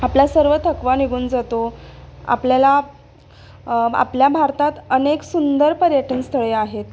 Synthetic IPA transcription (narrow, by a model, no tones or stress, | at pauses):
aplasəɾʋət̪ʰəkʋaniɡʱuːnd͡zat̪oa̰pljala | a̰pljabʱaɾt̪at̪əneksund̪əɾpəɾjəʈʰənst̪ʰəɭeaɦet̪̚